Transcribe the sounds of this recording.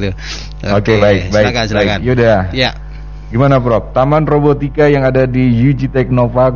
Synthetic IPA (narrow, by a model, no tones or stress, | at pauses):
okebaɪk̚baɪbaɪkjauda | ɡimanapɾɔp̚t̪amanrobot̪ikajaŋadadijud͡ʒit̪ɛk̚nofak